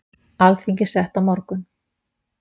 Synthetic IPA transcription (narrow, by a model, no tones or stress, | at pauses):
alθiɲcɪ̥sɛht̪awmɔɾkʏn